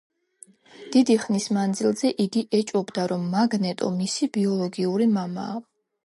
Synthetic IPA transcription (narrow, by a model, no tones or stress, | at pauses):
d̪̥id̪iχnismand̪zilˠzɛʔiɡiʔɛt͡ʃʼɔbd̪aɾɔmːaɡnɛt̪ʼɔ̰misibiɔlˠɔɡiuɾimama̰ː